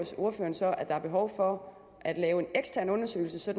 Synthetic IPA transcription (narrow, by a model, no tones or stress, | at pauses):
so̝ɐfø̰ːɐnsɒ̽ʔæd̥ɑ̈æɐb̥e̝ɦɒʊfɒ | ʔæd̥lɛːʊe̝neɡ̥stʰæɐnɔ̽nɐsø̰ːɪl̩səsɒ̽d̥